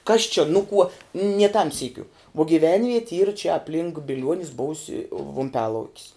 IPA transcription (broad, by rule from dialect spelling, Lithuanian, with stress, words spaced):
ˈkɐs t͡ʃʲɛ ˈnʊ kuɔ nʲiɛ tɐm ˈsʲiːkʲʊ ʋuɔ ɡʲiːˈʋʲɛnʲʋʲiɛtʲɪ iːr t͡ʃʲɛ ɐpʲˈlʲɪŋk bʲɪˈlʲuɔnʲɪs ˈboːʊsʲɪ ʋʊmʲˈpʲæːlˠɐʊkʲɪs